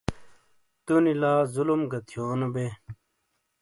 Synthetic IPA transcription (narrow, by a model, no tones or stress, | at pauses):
t̪unilaːzulumɡɐt̪ʰjoːnɐbe